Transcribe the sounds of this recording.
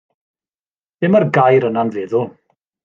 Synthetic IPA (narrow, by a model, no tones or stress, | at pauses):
dɪmərɡajɾənanvɛːðʊ